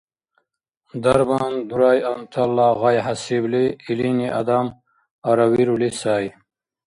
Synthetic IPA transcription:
d̪ɐɾband̪uɾaːjant̪ʰalːaɣajɦasibliːliniʔad̪am | aɾɐwiɾulisaːj

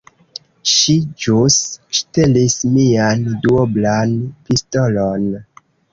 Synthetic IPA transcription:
ʃid͡ʒusʃtelismianduoblanpistolon

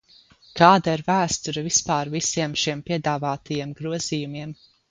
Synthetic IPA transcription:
kaːd̪aiɾvæːst̪uɾɐvispaːɾvisiɛmʃiɛmpiɛd̪aːvaːt̪ʰajiɛmɡɾuɔz̥iːjumiɛm

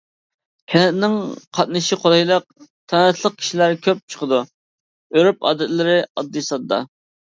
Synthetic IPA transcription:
kʲʰɛnɛt̪nɪŋqʰɑt̪̚nɨʃiqʰolˠɑjlˠɑq̚t̪ʰɑnɛt̪ʰlˠəq̚kʲʰi̥ʃilæɾkʲʰøp̚t͡ʃʰə̥qʰəd̪u | øɾypɑ̰ːd̪ɛt̪lɪɾɪɑd̪ːɨsɑd̪ːɑ̰

